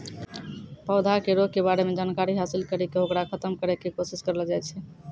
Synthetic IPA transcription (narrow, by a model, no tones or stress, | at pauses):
pəʊd̪ʱakeɾoɡ̚kebaɾemed͡ʒankaɾiɦasilkəɾikeɦokɾakʰət̪əmkəɾɛkekosiskəɾəld͡ʒajt͡ʃʰɛ